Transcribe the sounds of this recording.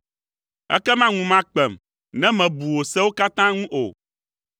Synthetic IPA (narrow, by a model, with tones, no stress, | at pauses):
ɛ̰˦kɛ˦mã˦ŋũ˨mã˦k͡pɛ˨m | nɛ̃˦mɛ̃˨bu˨wo˨sɛ̃˦wo˦ka˦t̪ã˦ŋũ˦ʔo̰˨